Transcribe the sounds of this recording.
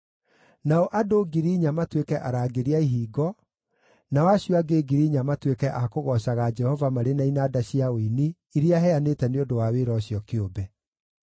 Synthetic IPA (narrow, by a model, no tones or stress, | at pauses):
naɔʔadoɡiɾiɲamatwekɛʔaɾaːɡeɾeaiɦiːɡɔ | nawaɕjɔaɡeɡiɾiɲamatwekɛʔakoɣɔɕaɣad͡ʒɛhɔvamaɾenainaːdaɕiaoini | iɾiaɦɛanetɛneodowaweɾɔɕjɔkeobɛ